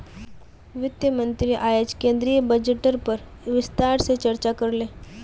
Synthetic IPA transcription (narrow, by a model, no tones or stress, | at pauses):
ʋɪt̪jəmənt̪ɾiʔaːjed͡ʒkẽːnd̪ɾijəbəd͡ʒeʈəɾpəɾ | ʋɪst̪aɾset͡ʃəɾt͡ʃakəɾleː